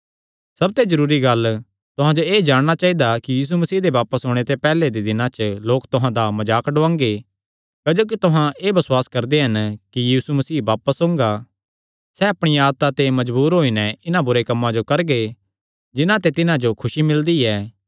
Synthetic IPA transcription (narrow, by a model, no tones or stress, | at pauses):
sɐb̚t̪ezɐɾuːɾiɡɐl | t̪ʊɦãd͡ʒoeːd͡ʒaːɽ̃ɽ̃at͡ʃaːɦid̪akijiːs̬umɐsiːd̪eʋaːpəsɦoːɽ̃et̪epɛːled̪ed̪ɪnãt͡ʃloːkt̪ʊɦãd̪amɐd͡ʒaːkɖʊʋãːŋɡe | kɐd͡ʒoːk̬it̪ʊɦãʔeːbɐsʊwaːskɐɾd̪eɦɐnkijiːsumɐsiːbaːpəsõːŋɡa | sɛɐpɽ̃iaːd̪̚t̪at̪emɐd͡ʒbuːɾɦoːinɛɪnabʊɾekɐmːãd͡ʒokɐɾɡe | d͡ʒɪnãt̪et̪ɪnãd͡ʒokʰʊʃimɪld̪iɛː